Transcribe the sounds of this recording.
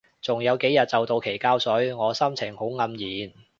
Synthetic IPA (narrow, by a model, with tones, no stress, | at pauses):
t͡sʊ˨ŋjɐ˨˧wke˨˥jɐ˨t̚t͡sɐ˨wt̪o˧wkʰe˨˩jkaː˥wsɵ˨˥ɥŋɔː˨˧sɐ˥mt͡sʰɪ˨˩ŋho˨˥wŋɐ˨˧mjiː˨n